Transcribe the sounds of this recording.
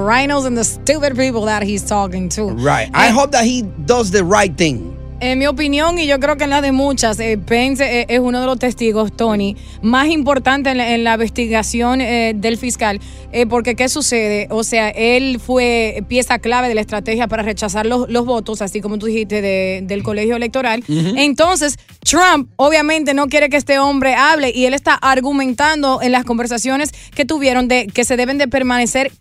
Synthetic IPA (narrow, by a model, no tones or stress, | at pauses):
ɹajnəls̬ãnðəst̪uβəd̚pipl̩ˠðæt̚histʰɔkɪ̃ŋt̪ʰuɹaɪtaɪɦoʊp̚ðət̚hidʌzðɨɹaɪt̪̚θɪ̃ŋ | eŋmio̞p̬injõ̞ŋiʝo̞kɾe̞ok̬enlazðe̞mut͡ʃasepens̬eʔesuno̞ð̞e̞lo̞st̪e̞st̪iɣo̞st̪o̞ni | masimpo̞ɾt̪ant̪e̞ːnlaβest̪iɣasjo̞ned̪e̞lfiskal | epo̞ɾke̞ke̞suse̞ðe̞ʔose̞aʔelfwe̞pje̞saklaβe̞ðe̞laest̪ɾat̪e̞hjapaɾare̞t͡ʃas̬aɾloslo̞zβo̞t̪o̞sasiko̞mot̪̬uðihist̪eðed̪e̞lko̞le̞hjo̞ele̞k̚t̪o̞ɾalent̪o̞ns̬e̞s | t̪ɾãmp̚o̞βjamẽ̞nt̪e̞no̞k̬jeɾe̞k̬eest̪eõ̞mbɾe̞aβle̞ʔie̞le̞st̪aʔaɾɣumẽnt̪and̪o̞ʔe̞nlasko̞mbe̞ɾsasjo̞ne̞ske̞t̪uβje̞ɾo̞nd̪eke̞se̞ðe̞β̞e̞nd̪e̞pe̞ɾmãne̞se̞ɾ